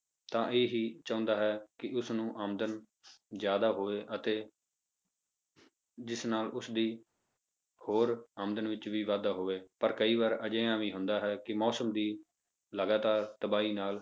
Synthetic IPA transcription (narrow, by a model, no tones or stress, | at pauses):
t̪ãːʔeːɦiːt͡ʃãːʊ̃nd̪aːɦɛːkɪʔʊsnũːʔaːmd̪ən | zjaːd̪aːɦoːʋeːʔət̪eː | d͡ʒɪsnaːlʊsd̪iː | hoːɾaːmd̪ənʋɪt͡ʃʋiːʋaːd̪aːɦoːʋeːpəɾkəiːʋaːɾəd͡ʒẽːãːʋiːɦʊnd̪aːɦɛːkɪmɔːsəmd̪iː | ləɡaːt̪aːɾt̪əbaːiːnaːl